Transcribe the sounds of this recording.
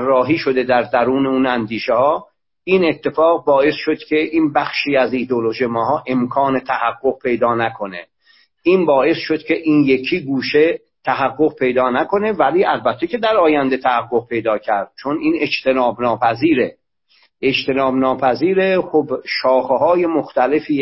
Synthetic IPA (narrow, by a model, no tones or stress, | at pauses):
ærːɒːɦiːʃo̞d̪e̞d̪æɾd̪æɾuːneuːnænd̪iːʃehɒː | iːne̞t̪ʰːe̞fɒːɣbɒːe̞sʃod̪cʲʰe̞ʔiːnbæxʃiːæziːd̪eoloʒimɒːɦɒːʔe̞mkʰɒːnet̪ʰæhæɡːoɣ̚pʰe̞jd̪ɒːnækʰo̞ne | iːnbɒːe̞sʃod̪̥cʰe̞ʔiːnje̞kʰiːɡuːʃe | t̪ʰæɦæɡːo̞ɣpʰe̞jd̪ɒːnæko̞ne̞væliːʔælbæt̪ʰːecʰe̞d̪æɾɒːjænd̪e̞t̪ʰæhæɡːoɣ̚pʰe̞jd̪ɒːcʰæɾd̪̥̚t͡ʃʰoniːne̞d͡ʒt̪ʰe̞nɒːbnɒːpʰæziːɾe | ʔed͡ʒt̪ʰe̞nɒːbnɒːpʰæziːɾe̞xobʃɒːxeɦɒːje̞moxt̪æle̞fiː